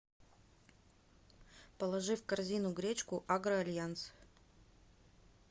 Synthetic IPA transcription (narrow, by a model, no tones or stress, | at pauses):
pəlˠɐʐɨfkɐrzʲinʊɡɾʲet͡ɕkʊʔaɡɾəɐlʲjant̪s